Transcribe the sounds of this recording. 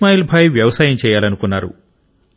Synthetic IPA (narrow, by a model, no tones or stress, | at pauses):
maːjilbʱaːjʋjɐʋɐsaːjɐmt͡ʃɛːjaːlɐnukunːaːɾṵ